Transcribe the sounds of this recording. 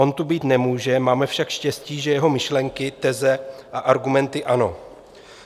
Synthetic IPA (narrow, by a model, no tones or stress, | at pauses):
o̞nt̪ubiːt̪nɛmuːʒɛmaːmɛfʃakʃcɛsciːʒɛjɛɦo̞mɪʃlɛŋkɪt̪ɛzɛʔaʔaɾɡumɛnt̪ɪʔano̞